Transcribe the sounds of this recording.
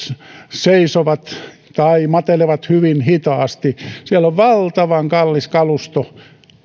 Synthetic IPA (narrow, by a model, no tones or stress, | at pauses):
seisoʋɑt̪ | t̪ɑimɑt̪eleʋɑt̪hyʋinhit̪ɑːst̪isiæloʋʋɑlt̪ɑʋɑŋkɑlːiskɑlust̪o